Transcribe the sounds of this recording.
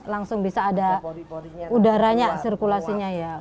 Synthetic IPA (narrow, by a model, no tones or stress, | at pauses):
laŋsʊŋbisaːda | udaɾaɲasirkulasiɲaja